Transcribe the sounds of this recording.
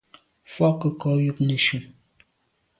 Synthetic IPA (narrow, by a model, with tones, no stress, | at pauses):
fɔ˦kə˨kɔ˨˦ju˦pne˨ʃu˨m